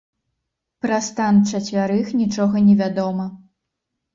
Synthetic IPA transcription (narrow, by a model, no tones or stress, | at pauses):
pɾɐst̪ant͡ʂɐt͡sʲvʲaɾɨxnʲit͡ʂɔɣɐnʲɛvʲad̪ɔmɐ